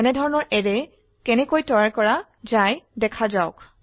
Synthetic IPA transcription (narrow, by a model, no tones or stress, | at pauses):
ɛnɛdʱɔɹɔnɔɹʔɛɹɛ | kɛnɛkojtɔɹaɹkɔɹa | zajdɛkʰazaʊk